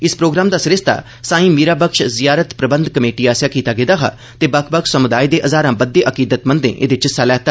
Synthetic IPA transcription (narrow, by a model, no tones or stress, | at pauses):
ɪspɾoːɡɾaːmd̪aːsɪɾɪst̪a̰ː | sãːĩːmiːɾaːbəkʃzɪjaːɾət̪pɾəbə̃nd̪kəmeːʈiːaːsjaːkiːt̪aːɡeːd̪aːɦa̰ː | t̪eːbəkʰpəkʃsəmʊd̪aːid̪eːʔəzaːɾãːbəd̪ːeːʔəkiːd̪ət̪mə̃nd̪ḛ̃ːʔḛd̪ɪt͡ʃsaːlɛːt̪aː